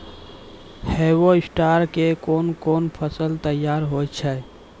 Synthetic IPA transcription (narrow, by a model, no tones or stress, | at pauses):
hewoisʈaɾkekonkonpʰəsəlt̪əjaɾɦot͡ʃʰɛ